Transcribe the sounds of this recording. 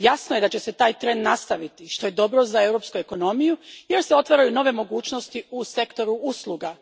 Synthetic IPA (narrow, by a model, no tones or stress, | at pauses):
jasnoje̞d̪at͡ɕe̞se̞t̪aːjt̪ɾe̞nd̪nast̪aʋit̪iʃt̪o̞je̞d̪o̞bɾo̞zae̞wɾo̞pskue̞ko̞no̞mijuje̞ɾseo̞t̪ʋaɾajuno̞ʋe̞mo̞ɡuːt͡ʃno̞st̪iuse̞kt̪o̞ɾuuslˠuɡa